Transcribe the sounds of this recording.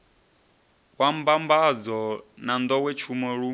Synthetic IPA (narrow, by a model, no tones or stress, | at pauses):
kwambambad͡zɔnand̪ɔwɛt͡ʃʰumɔɺu